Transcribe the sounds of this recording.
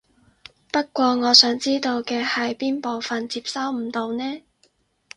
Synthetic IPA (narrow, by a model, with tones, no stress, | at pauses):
pɐ˥t̚kʷɔː˧ŋɔː˨˧sœː˨˥ŋt͡siː˥t̪o˧wkɛː˧hɐ˨jpiː˥npo˨wfɐ˨nt͡siː˧p̚sɐ˥wm̩˨˩t̪o˧wnɛː˥